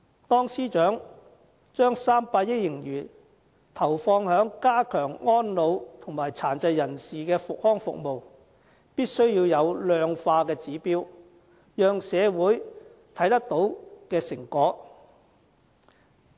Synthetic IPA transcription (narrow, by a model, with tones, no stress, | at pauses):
t̪ɔː˥ŋsiː˥t͡ʃœː˨˥ŋ | t͡ʃœː˥ŋsaː˥mpaː˧t̚jɪ˥k̚jɪ˨˩ŋjyː˨˩ | t̪ʰɐ˨˩wfɔː˧ŋhœː˨˥ŋkaː˥kʰœː˨˩ŋŋɔː˥nlo˨˧wt̪ʰʊ˨˩ŋmaː˨˩jt͡sʰaː˨˩nt͡sɐ˧jːɐ˨˩nsiː˨˩kɛː˧fʊ˨k̚hɔː˥ŋfʊ̰˨k̚mo˨w | piː˥t̚sɵ˥ɥjiː˧wjɐ˨˧wlœː˧ŋfaː˧kɛː˧t͡siː˨˥piː˥w | jœː˨˧ŋsɛː˨˧wuː˨˥j | t̪ʰɐ˨˥jt̪ɐ˥k̚t̪o˨˥wkɛː˧sɪ˨˩ŋkɔː˨˥